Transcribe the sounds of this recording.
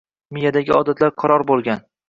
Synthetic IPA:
mijad̪aɡʲɪɒd̪at̪laɾqʰɑɾɒɾbolˠɡʲan

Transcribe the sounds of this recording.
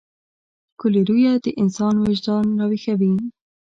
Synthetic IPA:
kʰʊleɾuːjɛd̪əʔɪnsɑːnwɪʒd̪ɑːnrɑːwiːxɛbiːn

